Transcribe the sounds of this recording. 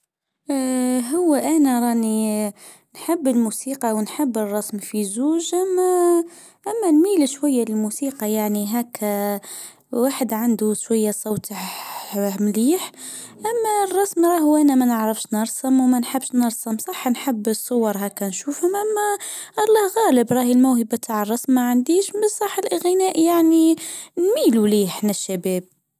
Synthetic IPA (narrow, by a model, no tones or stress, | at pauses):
ɦʊwːæʔænæɾˤɑʔni | nħəbːəlmusiːqɑwnħəbːərˤːɑsmfizuːʒʔæmːæ | ʔæmːælmiːlʃwæjːaləlmusiːqɑjaʕniɦæk | waːħəd̪ʕand̪uʃwæjːasˤɑwt̪ə | mliːħ | ʔæmːærˤːɑsmɾˤɑːhwʔænæmænəʕɾəfʃnɑɾˤsəmwmænħabʃnɑɾˤsəmsˤɑħːnħəbːsˤːʊwɑɾˤhækːænʃuːfhʊmʔæmːæʔlˤːɑhɣæːləbɾˤɑːhəlmæwhəbat̪ʰaʕərˤːɑsmmaʕand̪iːʃbəsˤɑħəlɣɪnæːʔjaʕninmiːluliːħnɪʃːæbɛːb̚